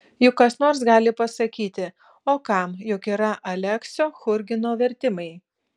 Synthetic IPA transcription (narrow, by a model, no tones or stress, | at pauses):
jʊkːɐsnoːɾsɡɑːlʲɪpɐsɐkʲiːt̪ʲɪ | oːkɐmjʊkiːɾɐʔɐlʲɛksʲoːxʊɾʲɡʲɪnoːʋʲɛɾʲt̪ʲɪmɐɪ